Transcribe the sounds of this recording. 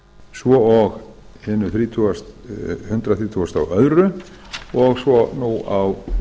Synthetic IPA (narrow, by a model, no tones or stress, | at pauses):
svɔɔɣ | hɛnʏθɾiːt̪ʰuast̪hʏnt̪ɾaθɾiːt̪ʰuːast̪a̰wœðɾʏ | ɔɣsɔnuaw